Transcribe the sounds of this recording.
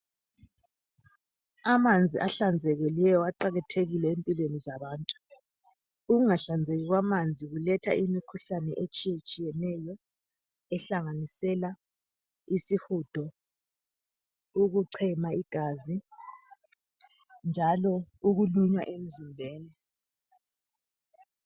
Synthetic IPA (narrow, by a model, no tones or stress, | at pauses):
amand͡zʱiʔaɬand͡zʱɛɣɛlɛjɔwaǃaɣɛtʰeɣilɛempʼilwenizaβaːntʼu̥ | uɣuŋaɬand͡zʱɛɣiɣwamand͡zʱiɣulɛtʰa̰ʔimikʰuɬanɛ̰ʔet͡ʃʼijet͡ʃʼijɛnɛjɔ | ɛɬaŋanisɛla | isixud̥ʱɔ | uɣuǀʰɛmaiɡ̥ʱazi | nd͡ʒʱalɔuɣuluɲwa̰ʔem̩zimbʱeːni